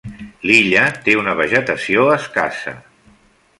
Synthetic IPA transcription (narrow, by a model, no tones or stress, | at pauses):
liʎət̪eunəβ̞əʒət̪əsioəska̰sə̰